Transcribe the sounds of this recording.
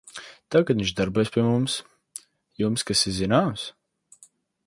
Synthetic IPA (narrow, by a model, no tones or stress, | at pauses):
t̪aɡad̪ĩnʲɲt͡ʃd̪aɾbujsʲpʲiɛmums | jumskasizinaːms